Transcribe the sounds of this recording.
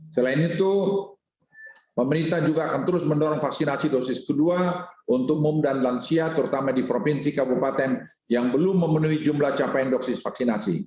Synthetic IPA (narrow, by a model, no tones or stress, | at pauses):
səlaɪnit̪u | pəməɾint̪ahd͡ʒuɡaːkant̪əɾʊsməndoɾɔŋfaksinasidosɪskəduaʔunt̪ʊk̚mumdanlansiat̪əɾut̪amadipɾopinsikabupat̪ɛn | jaŋbəlʊmːəmənuid͡ʒumlaht͡ʃapandɔksɪsfaksinasḭ